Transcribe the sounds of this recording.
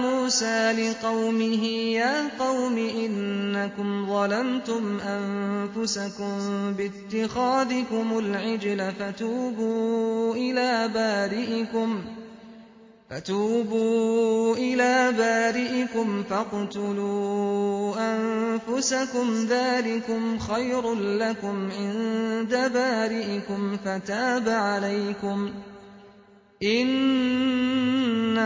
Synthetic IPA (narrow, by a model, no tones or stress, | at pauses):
muːsaːlɪqɑwmɪɦɪjaːqɑwmɪʔɪnːakʊmðˤɑlamt̪ʊmʔanfʊsakʊmbɪt̪ːɪxaːðɪkʊmʊlʕɪd͡ʒlafat̪uːbuːʔɪlaːbaːɾɪʔɪkʊm | fat̪uːbuːʔɪlaːbaːɾɪʔɪkʊmfɑqt̪ʊluː | ʔanfʊsakʊmðaːlɪkʊmxajɾnlakʊmʕɪnd̪abaːɾɪʔɪkʊmfat̪aːbaʕalajkʊm | ʔɪn | a